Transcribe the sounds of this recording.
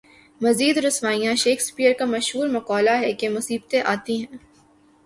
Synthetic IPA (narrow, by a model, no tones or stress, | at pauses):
mɐziːd̪ɾʊsmaːijãʃeːkspiːəɾkamɐʃɦuːɾmɐqɔːlaɦɛkemʊsiːbt̪ẽʔaːt̪iɦɛ̃ː